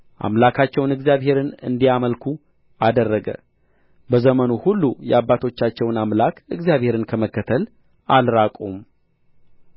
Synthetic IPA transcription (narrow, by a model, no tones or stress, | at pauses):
ʔa̰mlakʰat͡ʃːɛwnɨɡzijaβhe̞ɾɨnɨ̰nd̪ijaməlkʰu | ʔad̪ərːəɡə̰ | bəzəmənuhulːujɛ̰abːat̪ʰo̞t͡ʃːat͡ʃːɛwnamlakɨɡzijaβhe̞ɾɨnkʰəməkːət̪ʰəl | ʔalɾakʼum